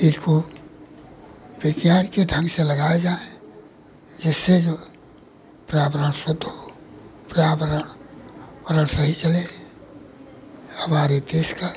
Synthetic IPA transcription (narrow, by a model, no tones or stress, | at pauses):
ɪsko | beɡjaːɾkeɖʱə̃ŋɡselɐɡaːed͡ʒaːẽ | d͡ʒɪsːed͡ʒoː | pɾaːbɾənsʊd̪ʱo | pɾaːbɾ | ɾənsəɦit͡ʃəle | hɐmaːɾid̪eːska